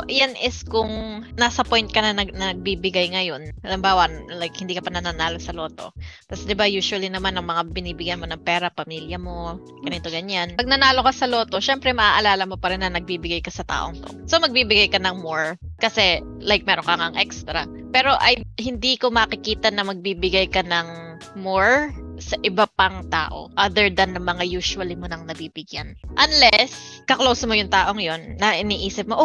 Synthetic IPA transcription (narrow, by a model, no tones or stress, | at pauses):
ʔjanʔɪskʊŋnaːsɐpo̞jnt̪̚kɐnɐnɐnɐnɐɡ̚biːbɪɡajŋɐjo̞nʔɐlɪmbaːwɐlajk̚hɪnd̪iːkɐpɐnɐnanaːlo̞sɐlo̞ːt̪o̞̰t̪ɐsd̪ɪbajuːʃwɐlinɐmanɐŋmɐŋabɪniːbɪɡjɐnmo̞nɐŋpɛːɾɐpɐmiːljɐmo̞ | ɡ̥ɐnit̪o̞ɡɐɲːanɐɡ̚nɐnaːlo̞kɐsɐlo̞ːt̪o̞ʃɛmpɾɛmɐʔaːʔɐlaːlɐmo̞pɐɾɪnːɐnɐɡ̚biːbɪɡajkɐsɐt̪a̰ːʔo̞̰ŋt̪o̰so̞mɐɡ̚biːbɪɡajkɐnɐŋmoɹkɐsɛ | lajk̚mɛːɾonkɐŋaŋʔɛkst̪ɾɐ̰ | pɛːɾo̞ʔɐjhɪnd̪iːko̞mɐkɪkiːt̪ɐnɐmɐɡ̚biːbɪɡajkɐnɐŋ | moɹsɐʔɪbapɐŋt̪a̰ːʔo̞̰ʔad̪ɛɹd̪ɐnɐmɐŋajuːʃʊɐlɪmonɐŋnɐbiːbɪɡjanʔɐnlɛs | kɐklowsɐmojʊŋt̪aːʔo̞ŋjo̞nːɐʔɪniːʔiːsɪp̚moʔo